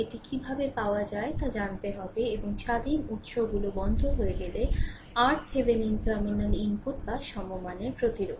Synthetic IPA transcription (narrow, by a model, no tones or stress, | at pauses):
eʈikibʱabepaoad͡ʑaet̪ad͡ʑant̪eɦɔbeeboŋʃad̪inut̪ʃobɡulobɔnd̪ʱoɦoeɡele | aɾʈsebeninʈəɾminenimpuʈ̪̚baɾʃɔmomaneɾpɾot̪iɾoɡ